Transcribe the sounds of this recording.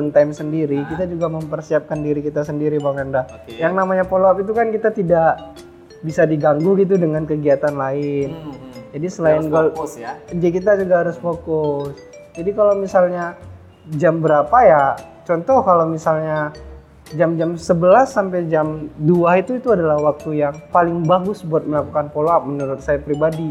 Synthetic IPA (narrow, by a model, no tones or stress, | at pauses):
ənt̪ajmsəndiɾikit̪ad͡ʒuɡaməmpərsiap̚kandiɾikit̪asəndiɾibakanda | jaŋnamaɲapoloapit̪̬ukankit̪at̪idaʔ | bisadiɡaŋɡuɡit̪̬udəŋankəɡiat̪anlaɪnd͡ʒadisəlaɪnɡ | d͡ʒikit̪ad͡ʒuɡaɦaɾʊsfokʊs | d͡ʒadikalawmisalɲa | d͡ʒambəɾapajat͡ʃɔnt̪ɔhkalowmisalɲa | d͡ʒamd͡ʒamsəbəlasːampajd͡ʒamduait̪uit̪uadalahwak̚t̪ujaŋpalɪŋbaɡʊsbuat̪̚məlakukanpoloap̚mənuɾʊt̪̚sajapɾibadi